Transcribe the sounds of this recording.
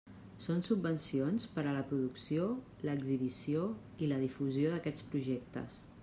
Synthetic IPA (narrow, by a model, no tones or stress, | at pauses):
sonsubːənsionspəɾələpɾuðuksio | ləɡziβ̞isio | iləðifuzioðəkɛt͡spɾuʒɛk̚t̪ə̰s